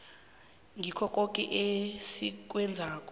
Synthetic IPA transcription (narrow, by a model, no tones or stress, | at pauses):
ŋɡʱikʰɔkʼokʼɛʔesik̬ʼwɛnd͡zʱaːkʼɔ